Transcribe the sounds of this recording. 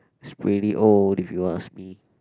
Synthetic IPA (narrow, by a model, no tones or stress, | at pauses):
ɪspʰɹiɾiʔoldifjuas̚mi